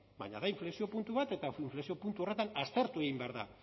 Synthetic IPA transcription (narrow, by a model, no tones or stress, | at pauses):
ba̰ɲa̰ðaiɱfle̞sio̞punt̪uβat̪e̞t̪aiɱflesio̞punt̪uo̞re̞t̪anast̪e̞ɾt̪ue̞ɣimbe̞aɾða̰